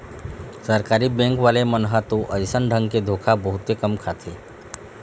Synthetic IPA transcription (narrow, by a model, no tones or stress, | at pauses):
səɾkaːɾibɛ̃ŋkʋaːlemənɦət̪oʔəsənɖʱə̃ŋɡked̪ʱoːkʰabəɦʊt̪ːekəmkʰat̪ʰeː